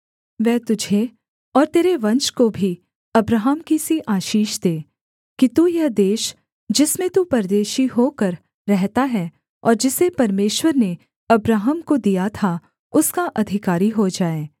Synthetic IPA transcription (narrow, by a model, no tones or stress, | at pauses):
ʋɛːt̪ʊd͡ʒʱe | ɔːɾt̪eːɾeʋɐ̃nt͡ʃkobʱi | ɐbɾaːɦəmkisiʔaːʃiːʃd̪eː | kit̪uːjɐɦd̪eːʃ | d͡ʒɪsmẽt̪upɐɾd̪eːʃiɦokəɾː | ɛɦt̪aɦɛː | ɔ̰ːɾd͡ʒɪsepɐɾmeːʃwəɾne | ɐbɾaːɦəmkod̪ijat̪ʰa | ʊskaʔɐd̪ʱɪkaːɾiɦod͡ʒaːeː